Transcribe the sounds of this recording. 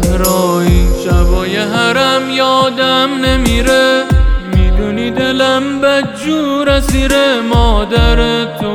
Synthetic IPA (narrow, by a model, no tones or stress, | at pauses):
ɾɒːiːnʃæbɒːjeɦæɾæmjɒːd̪æmnemiːɾemid̪unid̪e̞læmbæd͡ʒuːɾæziːɾemɒːd̪æɾet̪ʰo